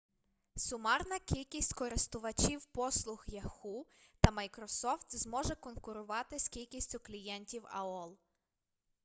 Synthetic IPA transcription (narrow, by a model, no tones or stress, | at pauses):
sʊmɑrnɐkʲilʲkʲisʲtʲkɔɾɪst̪ʊʋɐt͡ʃʲiwpɔslˠʊxjɐxut̪ɐmɐjkɾɔsɔft̪zmɔʒɛkɔnkʊɾʊʋɑt̪ɪskʲilʲkʲisʲtʲʊklʲijɛnʲtʲiwɐ̰ɔlˠ